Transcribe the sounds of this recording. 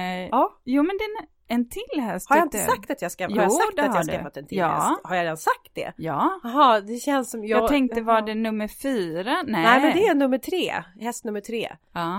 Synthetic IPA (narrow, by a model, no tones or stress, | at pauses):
ɛɑjuːmɛnd̪ɛ | ɛnt̪ʰɪlːhɛshaɾjaɪnt̪əsak̚ːt̪at̪jaskahaɾjasatd̪at̪jasafːat̪ɛnt̪ʰɪ̰hɛ̰shaɾjaɾɛd̪ansak̚t̪̚d̪ɛ̰jɑːɦɑːd̪ɛɕɛnsːɔmjɑɡ̪ʰɛŋk̚t̪əvaɖɛnɵmːəɾfyːɾanɛnɛɪmɛnd̪ɛnɵmːəʈʰɾeːhɛst̪nɵmːəʈʰɾḛː